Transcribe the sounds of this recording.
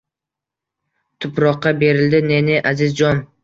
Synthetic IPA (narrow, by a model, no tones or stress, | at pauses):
t̪ʰʊpɾɒqːɑbe̞ɾɪld̪ɪne̞nɪʔazɪzd͡ʒɒn